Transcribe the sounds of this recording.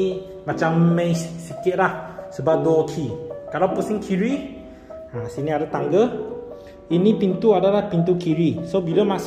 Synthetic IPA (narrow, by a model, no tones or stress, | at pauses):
mãt͡ʃamːẽssikɪt̪̚lahsəbap̚dɔɔkʰikalapusiŋkʰiɹi | ãsiniadat̪aŋɡə | inipint̪uadalahpint̪̬ukʰiɹisobilamas